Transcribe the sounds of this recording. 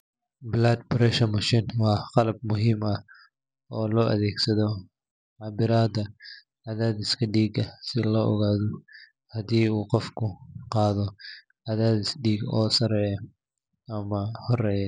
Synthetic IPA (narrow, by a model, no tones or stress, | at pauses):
blad̪̚bɾɛʃɐmɐʃiːnwɑːqɑlɐb̚mʊɦimɐ | ɔːlɔːʔɐ̰ðɛːɡsɐðɔ | ʕabɪɾaːd̪ɐ | ʕaðaːd̪ɪskʰɐɖiːɡɐsɪlɔʔɔ̰ɣaːðɔ | hɐd̪iːuːqɔfkʰʊqɑːðɔ | ʕaðaːðɪsɖiːɡɔːsɐɾɛːjɛ | ɐmɐhɔrɛːjɛ